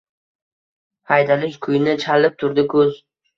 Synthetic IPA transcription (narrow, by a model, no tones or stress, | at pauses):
hajd̪alɪʃkʰʊjnɪt͡ʃʰalɪp̚t̪ʰʊɾd̪ɪkʰɵz